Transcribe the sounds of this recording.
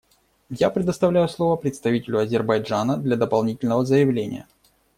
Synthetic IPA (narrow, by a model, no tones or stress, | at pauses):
japɾʲɪd̪əst̪ɐvlʲæjʊslˠo̞vəpɾʲɪt̪st̪ɐvʲitʲɪlʲʊɐzʲɪrbɐjd͡ʐanəd̪lʲɐd̪əpɐlˠnʲitʲɪlʲnəvəzəjɪvlʲenʲɪ̰jə̰